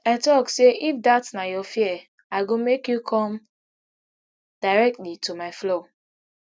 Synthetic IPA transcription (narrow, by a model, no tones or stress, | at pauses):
aɪtɔkseʔifdatnajɔfiɛ | aɪɡomekjukʰɔ̃m | d̥aɪɹɛk̚tlitʰumaɪflo